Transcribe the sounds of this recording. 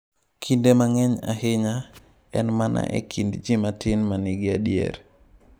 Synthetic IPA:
kʰindemaŋɛɲa̰ɦɪɲa | ɛnmanʔa̰ʔɛ̰kʰindd͡ʒɪmatɪnmanɪɡɪadjɛ̰ɾ

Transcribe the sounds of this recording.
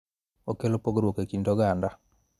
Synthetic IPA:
okelopoɡɾwokekintoɡanda

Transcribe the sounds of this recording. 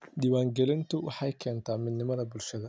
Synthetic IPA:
diːwaːŋɡɛlɪnt̪ʰʊwɑħɑjkʰɛːnt̪ʰaːmɪd̪nɪmɐðɐbʊlʃɐðɐ

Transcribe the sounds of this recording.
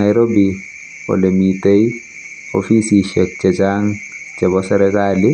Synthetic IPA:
ajɾobi | pɔ̰lemit̪ej | o̰fisiʃɛk̚t͡ʃɛt͡ʃaŋt͡ʃɛbɔsɛɾɛkali

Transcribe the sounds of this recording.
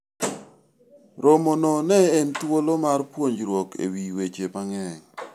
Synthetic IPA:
ɾomonɔnɛentwolomarpwoɲd͡ʒɾwokʰḛwiwet͡ʃepaŋɛŋ

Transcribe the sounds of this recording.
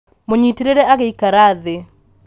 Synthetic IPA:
moɲitiɾeɾɛaɣeikaɾaðe

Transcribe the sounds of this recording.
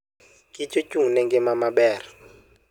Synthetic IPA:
kʼit͡ʃʼot͡ʃʼuŋnɛŋɡɛmamaɓɛːra

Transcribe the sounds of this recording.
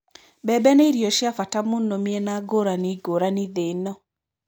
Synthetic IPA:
bɛbɛneɾjɔʃjafatamʊnɔmienaɡoɾaniɡoɾaniðenɔ

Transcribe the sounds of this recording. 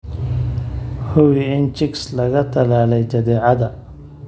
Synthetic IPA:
hʊwɪɪnt͡ʃɪkslɐɣɐt̪ʰɐlaːlɛjt͡ʃɐðɛːʕɑðɐ

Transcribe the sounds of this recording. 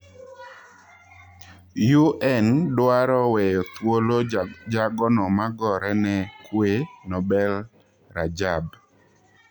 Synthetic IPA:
juʔɛndwaɾɔwɛjɔt̪wolod͡ʒaɡɔnɔmaɡɔɾɛnɛkwenɔbɛl | ɾad͡ʒab

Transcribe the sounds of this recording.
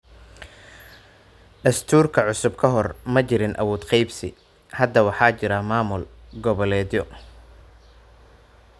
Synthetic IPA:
ɖɐst̪ʰuːrkʰɐʕʊsʊbkʰɐɦɔrmɐt͡ʃɪɾɪnʔɐ̰wɔːd̪qɑjbsɪ | hɐd̪ɐwɑħɑːt͡ʃɪɾɐmaːmʊl | ɡɔβɐlɛːd̪jɔ

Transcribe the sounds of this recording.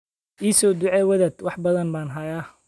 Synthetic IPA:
ʔiːsɔːd̪ʊʕɛwɐðɐd̪wɑħbɐðɐnbaːnɦɐjaː

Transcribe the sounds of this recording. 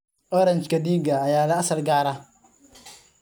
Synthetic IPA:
ɔɾãnd͡ʒkadiːɡaːjaːlaasalɡaːɾa

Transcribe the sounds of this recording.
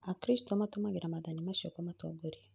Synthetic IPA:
akɾistɔamatomaɡiɾamaðanimaʃokamatwaɡoɾi

